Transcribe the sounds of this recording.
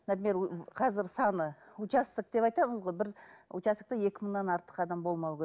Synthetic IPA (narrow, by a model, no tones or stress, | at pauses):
næd̪meɾqʰɑzɪɾsɑnəut͡ʃɑst̪ək̚d̪e̞pɑjt̪ɑməzʁojbɪɾut͡ʃɑst̪ək̚t̪eje̞kʲɪməɴnɑnɑɾt̪ə̥qɑd̪ɑmbo̞lˠmɑwkʲʰe